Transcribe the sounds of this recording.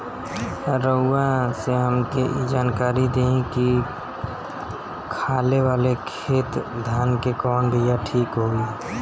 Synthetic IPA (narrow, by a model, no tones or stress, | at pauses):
ɾəʊːãseɦəmkeʔd͡ʒaːnkaːɾid̪eẽki | kʰaːlewaːlekʰeːt̪d̪ʱaːnkekɔːnbʱijaʈʰiːkɦoːi